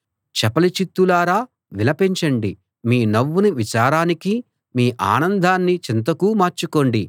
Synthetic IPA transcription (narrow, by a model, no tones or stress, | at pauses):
t͡ʃɛpɐlit͡ʃit̪ːulaːɾaː | ʋilɐpeɲt͡ʃɐɳɖi | miːnɐʋːuniʋit͡ʃaːɾaːniki | miːʔa̰ːnɐnd̪ʱaːnːit͡ʃint̪̬ɐkuːmaːɾt͡ʃuko̞ːɳɖi